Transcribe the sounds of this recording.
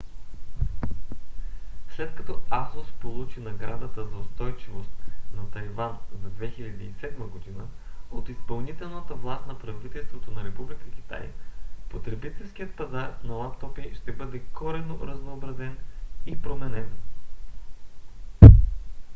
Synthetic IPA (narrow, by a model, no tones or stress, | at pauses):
slɛt̪kɐt̪ɔazospolˠut͡ʃinɐɡɾad̪ət̪əzɐʊst̪ɔjt͡ʃivost̪nɐt̪ɐjvanzɐd̪vɛxiʎʲɐd̪iisɛd̪məɡod̪inəot̪ispɐlˠnit̪ɛlˠnət̪əvlˠast̪nɐpɾɐvit̪ɛlˠst̪vot̪onɐɾɛpublikək̟ʲi̥t̪a̰jə̰pot̪ɾɛbit̪ɛlˠskijət̪̚pɐzaɾnɐlˠapt̪ɔpiʃt̪ɛbɤd̪ɛkɔɾɛnoɾɐznoːbɾɐzɛnipɾomɛnɛn